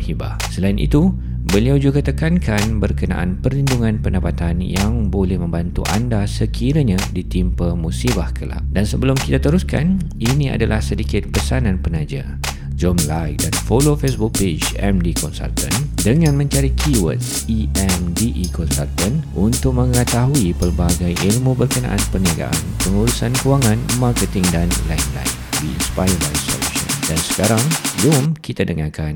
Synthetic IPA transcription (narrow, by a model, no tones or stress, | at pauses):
hiba̰ | səlainʔḭt̪u | bəliawd͡ʒuɡat̪əkankʰanbərkəna̰ʔa̰npərlinduŋãnpəndapat̪anjaŋbolɛhmə̃mbant̪ṵʔa̰ndasəkʰiɾəɲãdit̪impəmusibahkʰəla̰ʔ̚dansəbəlʊmkit̪at̪əɾuska̰n | inĩa̰dalahsədikɪt̪̚pəsanãnpənad͡ʒa̰ | d͡ʒɔmlajk̚danfolofesbuk̚ped͡ʒɛmdikɔnsa̰lt̪ə̃ndəŋãnmə̃ɲt͡ʃaɾikʰiwə̰t̪s | iɛmdiʔikɔnsa̰lt̪ənunt̪ʊk̚mə̃ŋət̪aɦuipərbaɡajʔilmũbərkəna̰ʔanpərniaɡa̰ʔa̰npəŋuɾusankuwaŋãnmarkət̪ɪŋdanla̰inla̰jk̚biḭnspajəbajsɔ̰lṵʃɔ̰̃ndansə̥kaɾaŋbd͡ʒɔmkit̪adəŋakan